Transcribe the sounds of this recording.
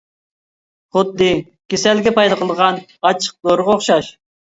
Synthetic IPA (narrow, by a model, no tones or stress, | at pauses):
χʊd̪ːɨ | kʲesɛlɡʲɛpʰɑjd̪ɑqʰəlˠʁɑnɑt͡ʃʰə̥q̚zoɾʁɑoχʃɑʃ